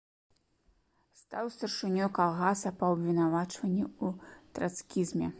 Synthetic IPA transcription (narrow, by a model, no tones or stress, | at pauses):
st̪awst̪ɐrʂɨnʲɔkalˠɣasɐpɐːbʲvʲinavat͡ʂvɐnʲːiut̪ɾaskʲizmʲɛ